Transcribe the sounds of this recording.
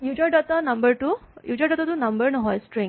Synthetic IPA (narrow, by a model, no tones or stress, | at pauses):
jud͡ʑaɖɔt̪anɐmbəɾʈuːjud͡ʑaɖɔt̪at̪uːnɐmbəɾnəɦɔjsʈɾĩŋɡ